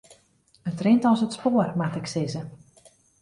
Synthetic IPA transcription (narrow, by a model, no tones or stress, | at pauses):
ətrɪntɔsətspoːərmatɪksɪzə